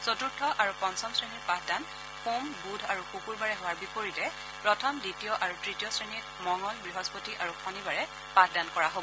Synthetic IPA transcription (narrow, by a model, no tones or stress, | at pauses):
sotuɹtʰɔʔaɹupɔnsɔmsɹeniɹpatʰdan | xumbudʱaɹukukuɹbaɹɛɦowaɹbipoɹitɛ | pɹɔtʰɔmditiɔʔaɹutɹitijɔsɹenit | mɔŋɔlbɹiɦɔspotiʔaɹukʰɔnibaɹɛ | pat̚ʰdankɔɹaɦobɔ